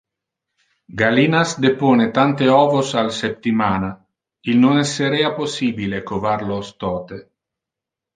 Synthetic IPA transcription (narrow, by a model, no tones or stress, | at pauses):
ɡalinasd̪epoːnet̪ant̪eɔːvosalsep̚t̪imaːna | ilnonɛsːeɾeaposiːbilekovaɾlost̪ɔːt̪e